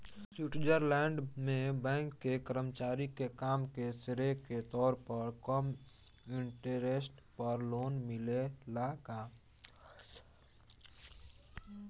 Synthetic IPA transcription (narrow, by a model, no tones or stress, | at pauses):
suːʈd͡ʒəɾlɛ̃ːɳɖmẽbɛ̃ːŋkːekəɾəmt͡ʃaːɾikekaːmkesɪɾeket̪ɔːɾpəɾkɔm | ɪ̃ɳʈəɾesʈpəɾloːnmɪlelaːkaː